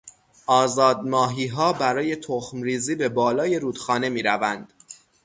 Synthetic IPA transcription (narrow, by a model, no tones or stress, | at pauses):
ʔɒːzɒːd̪mɒːɦiːɦɒːbæɾɒːje̞t̪ʰoxmɾiːziːbe̞bɒːlɒːje̞ɾuːd̪̥xɒːne̞miːɾævænd̪̥